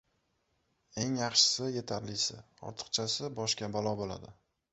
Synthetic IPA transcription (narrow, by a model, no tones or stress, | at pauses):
e̞ŋjɑχʃɪ̥sɪje̞t̪ʰaɾlɪsɪ̰ | ɒ̰ɾt̪ʰɨ̥qt͡ʃʰasɪbɒʃkʲabalˠɒbola̰d̪ɪ